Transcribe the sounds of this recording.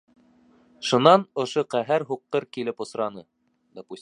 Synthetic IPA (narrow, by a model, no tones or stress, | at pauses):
ʃŏnɑnŏʃoqæɦæɾɦuqːɤɾkilɘpŏsɾɑnɤ | d̪ɒpusʲ